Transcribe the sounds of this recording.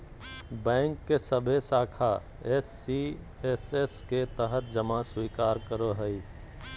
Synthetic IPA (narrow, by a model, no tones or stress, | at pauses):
bɛ̃ːŋkːesəbʱesaːkʰa | esːi | esesket̪əɦət̪̚d͡ʒəmaswiːkaːɾkəɾoɦəi